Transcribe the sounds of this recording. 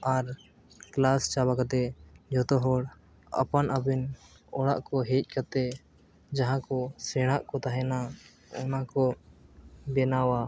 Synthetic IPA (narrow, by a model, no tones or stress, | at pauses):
aɾ | klast͡ʃabakat̪ɛd͡ʒɔt̪ɔɦɔɽ | ə̰panabin | ɔɽaʔkɔɦec̚ˀkat̪ɛ | d͡ʒaɦãkɔsɛɽ̃aʔkɔt̪aɦɛna | ɔ̰nakɔ | bɛnawa